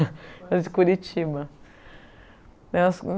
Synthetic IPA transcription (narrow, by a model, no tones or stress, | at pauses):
ɐd͡ʒɪkuɾit͡ʃibɐ | nɛsn